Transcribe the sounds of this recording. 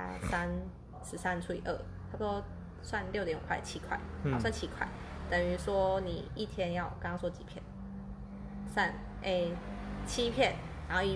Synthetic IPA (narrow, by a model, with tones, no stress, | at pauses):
a̰˥sa˦n | sɻ̩˧˥sa˥nʈ͡ʂʰu˥˧ḭ˨˩ʔə˥˩ | t̪ʰa˥oɔ˥ | swa˥˨nljʊt̪jɛ˧˥nu˨˩kʰwa˥˩ɪt͡ɕʰi˦˥kʰwa̰˥˩ɪ˨˥˦swa˥˨nt͡ɕʰi˦˥kʰwa̰˥˩ɪt̪ə˨˩ŋy˧˥swɔ˥ni˨˩i˥˩t̪ʰjɛ˦njɑ˥˨ʊkɑ˧˥ŋɑ˥ŋswɔ˥˩t͡ɕi˨˩pʰjɛ̰˥˩n | sa˥˧˩n | ʔe˥˧t͡ɕʰi˦pʰjɛ˥˨n | na˨˦n˥˧ʊi˧˩